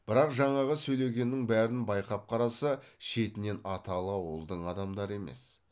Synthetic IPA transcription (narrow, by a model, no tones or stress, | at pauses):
b̥ɪɾɑqʒɑɴɑʁəsɵjle̞ɡʲe̞nːɪŋbæɾɪnbɑjqɑp̚qʰɑɾɑsɑʃe̞t̪ɪne̞nɑt̪ɑlˠəɑwəlˠd̪əɴɑd̪ɑmd̪ɑɾəe̞me̞̰s